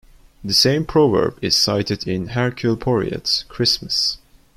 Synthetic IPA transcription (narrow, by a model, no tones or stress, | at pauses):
ðɨsẽɪ̃mpʰɹ̥ovə̰˞bɪz̥saɪɾɨdɪ̃nɦɛɹkʰjulˠpʰɔɹḭɨ̰tskʰɹ̥ɪsməs